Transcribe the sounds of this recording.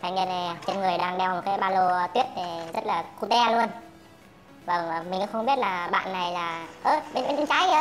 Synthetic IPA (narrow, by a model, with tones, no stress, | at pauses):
tʰa˧˩ŋɛ˧nɛ˨˩˨t͡ɕe˧nŋɨ˨˩əjɗaː˧ŋɗɛ˧wm̚˨˩kaː˨˦jɓaː˧lo˧t̪wi˦˥ət̚t̪ʰi˨˩zə˦˥t̚laː˨˩ku˧t̪ɛ˧lu˧ən | vaː˨˩˨mi˨˩ŋkṵ˧˦xə˧wŋ͡mɓi˦˥ət̚laː˨˩ɓa̰ː˧˨nːa˨˩jlaː˨˩ʔəː˧˩ɓe˧nɓe˧˦nt͡ɕi˧nt͡ɕaː˨˦jə˨˦